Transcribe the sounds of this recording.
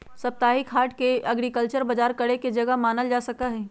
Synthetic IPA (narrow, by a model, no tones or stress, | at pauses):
sɐp̚t̪aːɦikʰaːɾʈkeʔɐɡɾikəlt͡ʃəɾbɐd͡ʒaːɾkɐɽeked͡ʒɐɡəmaːnəld͡ʒaːsɐkaɦɛː